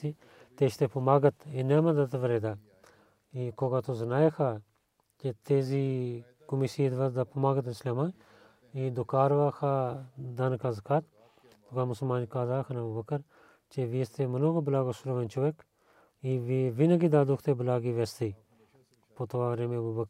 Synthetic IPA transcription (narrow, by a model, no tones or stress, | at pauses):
i | t̪eʃt̪epɐmaːɡɐt̪inemɐd̪ɐt̪ʋəɾeːd̪a | ikoːɡat̪ozɐnaːjekʰa | ket̪eːzi | kumisiːd̪ʋɐd̪ɐpɐmaːɡət̪nt͡ʃleman | id̪ukaːɾʋaxʰad̪ɐnkazəkaːt̪ | t̪ukamʊsəlmaːnikaːzaːkʰɐnabubɐkəɾ | t͡ʃeʋist̪emɐnoɡoblaːɡosulɐʋɐnt͡ʃoʋek | iʋiʋinɐɡid̪aːd̪ukʰt̪ebəlaːɡiʋest̪i | pot̪oʋaːʋɾeːmebubɐk